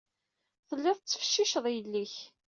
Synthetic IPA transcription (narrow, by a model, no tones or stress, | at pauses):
θəlːɪðˤt͡sːə̥fə̥ʃːiʃəðˤjəlːiç